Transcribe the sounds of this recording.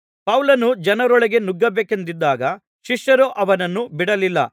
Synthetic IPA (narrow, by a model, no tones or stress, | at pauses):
pɐwlɐnud͡ʒɐnɐɾɔɭɐɡe̞nuɡːɐbeːkend̪id̪ːaːɡɐ | ʃiʂjɐɾoʔɐʋɐnɐnːubiɽɐlilːɐ̰